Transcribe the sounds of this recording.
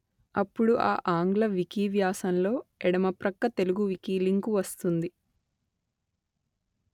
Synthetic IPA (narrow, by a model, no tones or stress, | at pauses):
ɐpːuɽuʔa̰ːʔaːŋɡlɐʋikiːʋjaːsɐnlo̞ːɛɽɐmɐpɾɐkːɐt̪e̞luɡuʋikiːliŋkuʋɐst̪und̪i